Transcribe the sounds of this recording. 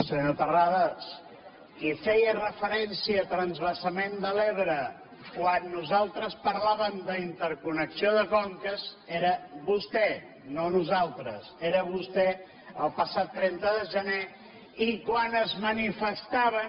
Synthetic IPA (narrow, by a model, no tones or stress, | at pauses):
səɲot̪əraðəs | kifɛjərəfəɾɛnsiəːt̪ɾənzβəsəmend̪əleβɾə | kwanːuzalˠt̪ɾəspəɾlaβəmd̪əint̪əɾkunəksioðəkɔŋkəzeɾəβust̪ɛ | nonuzalˠt̪ɾə̰seɾəβust̪ɛ | əlˠpəsat̪ːɾɛnt̪əðəʒəne | ikwanəzmənifəst̪aβə